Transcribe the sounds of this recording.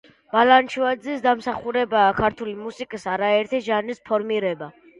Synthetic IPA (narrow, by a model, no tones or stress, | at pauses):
b̥alant͡ʃʰvad̪zisd̪amsaχuɾɛbaːkʰaɾt̪ʰulimusikʼisaɾaɛɾt̪ʰiʒanispʰɔɾmiɾɛba